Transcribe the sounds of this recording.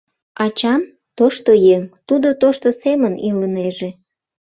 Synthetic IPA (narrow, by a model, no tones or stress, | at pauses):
ɑt͡ɕɑm | t̪oʃt̪ojeŋt̪ud̪ot̪oʃt̪oseməniləneʒe